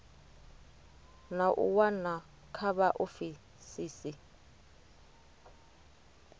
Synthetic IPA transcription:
naʔʊ̰wana | kʰaβaʔʊfi | siːsi

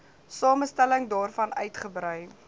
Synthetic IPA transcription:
sɑːməstæləŋdɑːrfɐnœ̰ɥtχəbɾœɥ

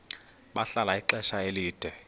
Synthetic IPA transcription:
ɓaɬalaiǃɛʃaeliːd̥ʱwɛ

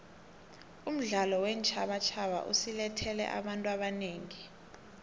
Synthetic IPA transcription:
um̩ɮalɔwɛnt͡ʃʰʼaɓat͡ʃʰaɓa̰ʔusilɛtʰɛlɛ̰ʔa̰ɓantʼuaɓaneːŋi

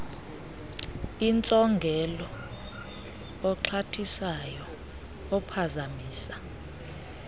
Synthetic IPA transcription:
int͡sʼɔŋɡʱɛlɔ | ǁʰatʰisajɔ | ɔpʰazamiːsḁ

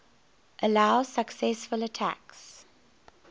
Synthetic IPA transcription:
ʔəlaʊsəksɛsfələtʰæ̰ks

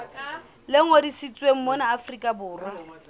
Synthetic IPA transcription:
lɪŋodisit͡sʼweŋ̩mɔnaːfrikʼabʊːrʊ

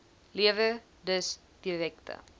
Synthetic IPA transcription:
liəvə | dəs | d̥irɛktə̰

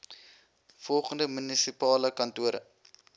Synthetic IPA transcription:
fɔlˠχəndəmynisipɑːləkɐntuəɾə̰

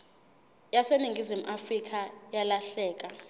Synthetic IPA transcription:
jaseniŋɡʱizimuʔafrik̬ʼʰajalaɬɛːk̬ʼa

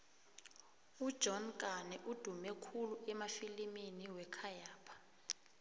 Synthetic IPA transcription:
ud̥ʒ̥ʱɔnkʼanɛʔud̥ʱumɛkʰuluɛmafiliminiwɛkʰajaːpʰḁ

